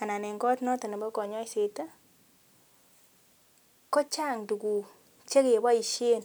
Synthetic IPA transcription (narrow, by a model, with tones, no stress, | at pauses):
a˨na˨nɛ˨ŋɡɔ˦tnɔ˦tɔ˨na˨mbɔ˦kɔ˨ɲɔ˦i˦se˨ta˦ | kɔ˦t͡ʃa˦˨ŋdu˨ku˨ | t͡ʃe˦ke˨ba˦i˨ʃe˦n